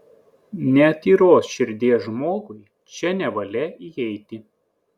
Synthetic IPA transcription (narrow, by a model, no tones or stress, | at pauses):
nʲɛɐt̪ʲiːɾoːsʃʲɪɾʲd̪ʲeːsʒmoːɡʊɪ | t͡ʃʲɛnʲɛʋɐlʲɛiɛɪt̪ʲɪ